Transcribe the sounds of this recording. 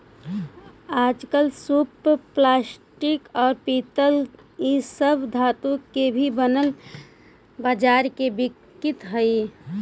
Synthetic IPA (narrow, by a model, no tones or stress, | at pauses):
aːd͡ʒkəlsupːlaːsʈɪkɔːɾpiːt̪əl | isəbʱd̪ʱaːt̪õkebʱibənəl | baːd͡ʒaːɾkebɪkː | ɪt̪ɦəi